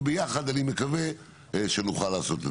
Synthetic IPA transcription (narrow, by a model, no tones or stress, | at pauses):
bejaχad̪animekave | ʃenuχalːaːso̞t̪e